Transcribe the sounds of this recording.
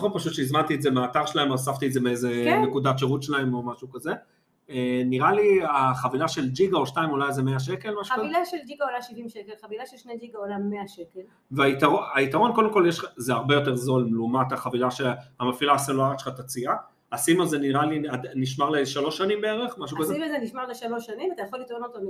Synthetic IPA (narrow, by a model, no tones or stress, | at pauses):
aχopaʃut̪ʃeizmant̪ietzemeaːt̪aʁʃelaemasaft̪iedze̞meezenekud̪atʃeʁut̪ʃelaemo̞maʃukaze̞ | eniʁaliaχavilaʃe̞ld͡ʒiɡaoʃtaimulajzemeaʃ̬eke̞lmaʃuilaʃeld͡ʒiɡaolajʃivimʃekelχavilaʃelʃnejd͡ʒiɡaolaːeaʃekel | veait̪aʁoait̪aʁo̞nko̞d̪emko̞ljeʃazeaʁbejo̞t̪e̞ʁzo̞lmlumat̪aχavilaʃeamafilaseluaʁatʃe̥χat̪at͡sia | asimazeniʁaliat̪niʃmaʁleʃalo̞ʃanimbeeʁe̞χmaʃ̬ukazeimezeniʃmaʁleʃalo̞ʃanimat̪ajaχolːit̪ʁonot̪ol